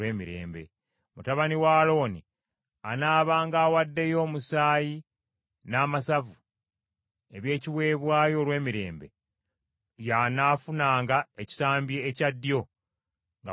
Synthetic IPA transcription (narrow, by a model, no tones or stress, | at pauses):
eːmiɾḛːmbe̞̰ | mutaβaniwaːlo̞ːni | anaːβaːŋɡaːwadːe̞jo̞ːmusaːji | naːmasavu | e̞βje̞ːciβwe̞ːβwaːjo̞ːlwe̞ːmiɾe̞̰ːmbe̞̰ | janaːfunaːŋɡaeci̥saːmbjeːcadːjo̞ | ŋɡa